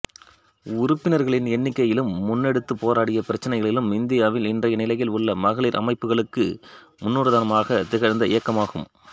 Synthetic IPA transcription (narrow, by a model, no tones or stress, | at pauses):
ʊɾʊpːɪnɐɾɣɐɭɪnɛnːɪkːɐjɪlɯmːʊnːɛɽɯt̪ːɯpːoːɾaːɽɪjɐpɪɾɐt͡ʃːɐnɐɪɣɐɭɪlɯmɪnd̪ɪjaːʋɪlɪndrɐjɐnɪlɐjɪlʊɭːɐmɐɣɐɭiːɾʔɐ̰mɐɪpːɯɣɐɭɯkːɯ | mʊnːuːɾɯðaːnɐmaːɣɐt̪ɪɣɐɾnd̪ɐɪ̰jɐkːɐmaːɣɯ̰m